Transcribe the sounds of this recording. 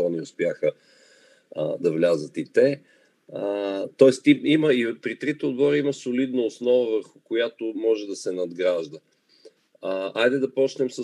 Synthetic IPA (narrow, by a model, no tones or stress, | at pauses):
ɔniʊspjaxə | d̪ɐvlʲazət̪it̪ɛ | t̪ɔɛst̪iiməipɾit̪ɾit̪ɛod̪bɔɾəimɐsʊlid̪nɐosn̪ɔvəvəɾxʊkʊjat̪omɔʒɛd̪ɐsɛnɐd̪ɡɾaʒd̪ə | ajd̪ɛd̪ɐpɔt͡ʃnɛmsə